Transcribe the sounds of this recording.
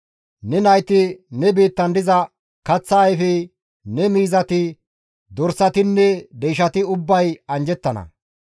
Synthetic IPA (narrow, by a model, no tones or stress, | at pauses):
nɛnɐjt̪ɪnɛbiːt̪ːɐnd̪ɪzɐ | kɐt͡sːɐːjfɛ | nɛmiːzɐt̪ɪ | d̪ɔɾsɐt̪ɪnːɛd̪ɛjʃɐt̪ɪʊbːɐjɐnd͡ʒɛt̪ːɐnɐ̰